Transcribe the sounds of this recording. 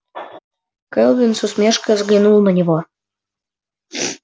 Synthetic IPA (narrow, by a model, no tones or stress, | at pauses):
kəlˠb̪insusmʲeʃkə̆zɡlʲinulˠnənʲiβo